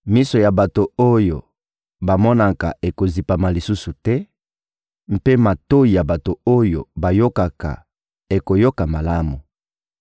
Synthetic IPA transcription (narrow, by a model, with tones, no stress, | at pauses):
mi˦so˨ja˨ba˨to˨o˦jo˨ | ba˨mɔ˦na˨ka̰˨ʔe˨ko˨zi˨pa˨ma˨li˨su˦su˨tɛ˦ | m̩˦pe˦ma˨to˦i˨ja˨ba˨to˨o˦jo˨ba˨jo˦ka˨ka̰˨ | e˨ko˨jo˦ka˨ma˨la˦mu˨